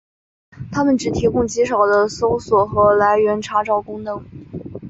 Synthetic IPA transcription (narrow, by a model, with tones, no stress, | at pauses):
t̪ʰa˥mə˨nʈ͡ʂɻ̩˨˩t̪ʰi˧˥kʊ˥˩ŋt͡ɕi˧˥ʂɑ˨˩ʊd̪ə˦so˥ʊswɔ˨˩xɤ˧˥la˧˥ɪɥɛ˧˥nʈ͡ʂʰa˥ʈ͡ʂɑ˥ʊkʊ˥ŋnɤ˧˥ŋ